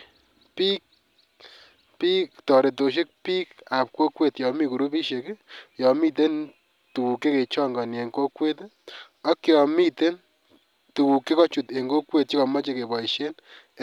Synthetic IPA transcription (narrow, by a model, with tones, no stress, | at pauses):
pi˦k̚ | pi˦ktɔ˨ɾe˨t̬o˨ʃ̬e˦k̚pi˦ka˨p̚kwo˦kwe˨tjɔ˨mi˦ku˨ɾu˦pi˦ʃe˨kjɔ˨mi˦t̬e˦n | tu˨wu˨kːe˦ke˨t͡ʃɔ˦ŋɡɔ˨nje˨ŋko˦kwe˦t | ɔ˦kjɔ˨mi˦te˦n | tu˨ku˨kːe˦kɔ˦t͡ʃu˨te˨ŋɡo˦kwe˦t̚t͡ʃi˦kɔ˨ma˦t͡ʃe˨ke˨bɔ˨i˨ʃe˦n